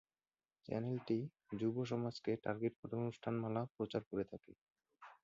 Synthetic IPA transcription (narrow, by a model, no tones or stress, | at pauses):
t͡ɕɛ̰nelʈi | d͡ʑuboʃ̬ɔmad͡ʑkeʈa̰ɾɡeʈ̚pʰoʈʰaonusʈʰanmalapɾot͡ɕaɾkoɾet̪ʰake